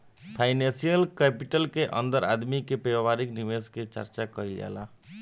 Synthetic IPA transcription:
pʰaɪnẽsijəlkɛpiʈəlkeʔənd̪əɾa̰d̪mikepebabaɾikniʋesket͡ʃə̰ɾt͡ʃakəjlja̰la̰

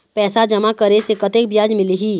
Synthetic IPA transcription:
pɛːsad͡ʒɐmakəɾesekɐt̪ek̚bjaːd͡ʒmɪliɦiː

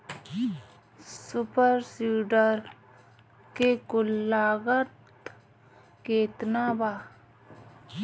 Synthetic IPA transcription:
sʊpəɾsiːɖəɾ | kekʊlːaːɡət̪ | keːt̪nabaː

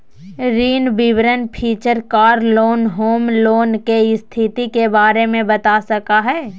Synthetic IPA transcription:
ɾiːnbɪʋɾənpʰiːt͡ʃəɾkaːɾloːnɦoːmloːnkeɪst̪ʰɪt̪ikebaːɾemẽbɐt̪asɐkaɦɛː

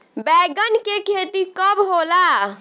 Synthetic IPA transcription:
bɛɡənkekʰet̪ikəbɦola

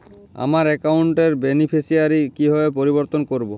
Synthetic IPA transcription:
a̰maɾɛkawɳʈeɾbenipʰisijaɾikiɦɔepoɾibɔɾt̪ɔnkoɾbo

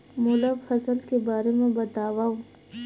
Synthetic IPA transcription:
mʊlafɐsəlkebaːɾemẽbɐt̪aːwa

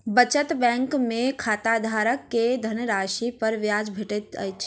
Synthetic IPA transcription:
bət͡ʃət̪bɛ̃ŋkmekʰat̪ad̪ʱaɾəkːed̪ʱənɾaʃipəɾʋjad͡ʒbʱeʈet̪ə̰jt͡ʃʰ

